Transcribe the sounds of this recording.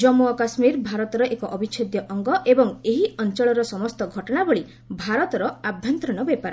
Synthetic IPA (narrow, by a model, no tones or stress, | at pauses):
d͡ʒɔmuɔkasmiɾbʱaɾɔt̪ɔɾɔʔekɔʔɔbit͡ʃʰod̪jɔʔɔŋɡɔʔebɔŋeɦiʔɔnt͡ʃɔɭɔɾɔsɔmɔst̪ɔɡʱɔʈɔɽ̃aboɭi | bʱaɾɔt̪ɔɾɔabʱjɔnt̪ɾɔñɔbepaɾɔ